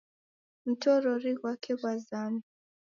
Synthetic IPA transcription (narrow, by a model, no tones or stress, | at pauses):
m̩tɔɾɔɾiɣwakʰɛɣwazama